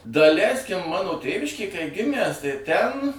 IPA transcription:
dɐˈlʲɛɪsʲkʲɪm ˈmɑːnoː ˈtʲeːʋʲɪʃʲkʲeːj kɐɪ ˈɡʲɪmʲæs tɐɪ tʲɛn

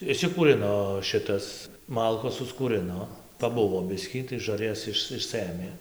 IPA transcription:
ɪʃʲsʲɪkuːˈrʲɪnoː ˈʃʲɪtɐs ˈmɐlˠkoːs sʊskuːrɨnoː pɐˈbʊʋoː ˈbʲɪsʲkʲiː tɐɪ ʒɐrʲˈjɛs ˈɪʃ ɪʃˈsɘmʲeː

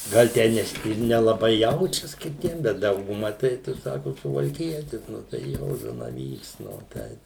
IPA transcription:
ˈɡɐlˠ ˈtʲæː nʲɛˈsʲɪ ɪr nʲɛlˠɐˈbɐɪ ˈjɛʊt͡ʃʲɛs kʲɪˈtʲiɛm ˈbʲɛt ˈdɐʊɡʊmɐ ˈtɐɪ ˈtʊ ˈsɑːkʊ sʊʋɐlʲˈkʲiɛtʲɪs ˈnʊ tɐɪ ˈjoː zɐnɐˈʋʲiːks ˈnʊ ˈtʲɛɪp

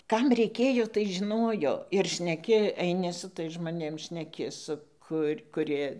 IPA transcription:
ˈkɐm rʲɛɪˈkʲeːjoː tɐɪ ʒʲɪˈnoːjoː ɪr ʃʲnʲɛˈkʲɪ ɛɪˈnʲɪ sʊ ˈtɐɪs ʒmoːˈnʲeːm ʃʲnʲɛˈkʲɪ ˈsʊ kʊrʲ kʊˈrʲiɛ

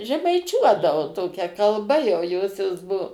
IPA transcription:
ʒʲɛmɐɪˈt͡ʃʲuɔdɐʋoː ˈtoːkʲɛ kɐlˠˈbɐ jɛʊ ˈjoːsʲoːs ˈbuɔ

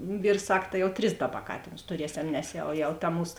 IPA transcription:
ˈʋʲiːrs ˈsɐk tɐ jɛʊ ˈtʲrʲɪs ˈdɑːˌbɐ ˈkɑːtʲeːnʊs tʊˈrʲiɛsʲɛm nʲɛs ˈjɛʊ jɛʊ tɐ ˈmuːs

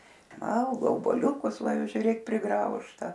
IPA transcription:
ˈʋɐlˠɡoː oːbuɔˈlʲʊkʊs ˈʋɐ ˈjɛʊ ʒʲʊˈrʲeːk pʲrʲɪˈɡrɐʊʃtɐ

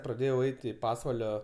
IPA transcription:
prɐˈdʲeːjɛʊ ˈɛɪt ɪ ˈpɑːsʋɐlʲoː

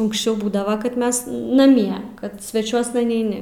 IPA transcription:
ʊŋksʲˈt͡ʃʲɛʊ ˈbuːdɐʋɐ kɐt ˈmʲɛs nɐˈmʲiɛ kɐt sʲʋʲɛˈt͡ʃʲuɔsnɐ nʲɛɪˈnʲɪ

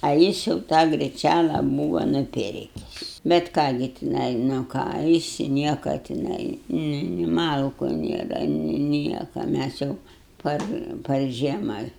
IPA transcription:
ɐ ˈjɪs jɛʊ ˈtɑː ɡrʲɪˈt͡ʃʲælˠɐ ˈbuːʋɐ nʊˈpʲɪrʲkʲɪs bʲɛt ˈkɑː ɡʲɪ tʲɪˈnɐɪ nʊ ˈkɑː ˈjɪs ˈnʲiɛkɐ tʲɪˈnɐɪ ˈnʊ nʲɪ ˈmɐlˠkʊ ˈnʲeːrɐ nʲɪ ˈnʲiɛkɐ ˈmʲæs jɛʊ ˈpɐr pɐr ˈʒʲiɛmɐ

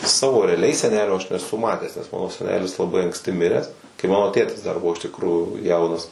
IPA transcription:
ˈsɑːʋoː rʲɛɐˈlʲɛɪ sʲɛˈnʲæːlʲoː ɐʃ nʲɛˈsʊ ˈmɑːtʲæːs nʲɛs ˈmɑːnoː sʲɛˈnʲæːlʲɪs lˠɐˈbɐɪ ɐŋksʲˈtʲɪ ˈmʲɪrʲæːs kɐɪ ˈmɑːnoː ˈtʲeːtʲɪs dɐr ˈbʊʋoː ɪʃ tʲɪkˈruːjuː ˈjɛʊnɐs

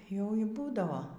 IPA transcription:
jɛʊ iː ˈbuːdɐʋoː

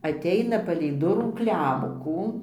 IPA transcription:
ɐtʲˈɛɪnɐ pɐlʲɛɪ ˈdʊruː ˈklʲɛmkuː

